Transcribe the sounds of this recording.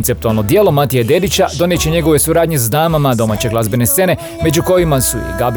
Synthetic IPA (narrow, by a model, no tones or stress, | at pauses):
nt̪se̞pt̪ualˠno̞d̪jelˠo̞mat̪ijed̪e̞d̪it͡ɕad̪o̞nije̞t͡ɕe̞ɲe̞ɡo̞ʋe̞suɾaːd̪ɲezd̪aːmamad̪o̞maːt͡ɕe̞ɡlazbene̞st̪se̞ne̞ | me̞d͡ʑuko̞jimasṵḭɡab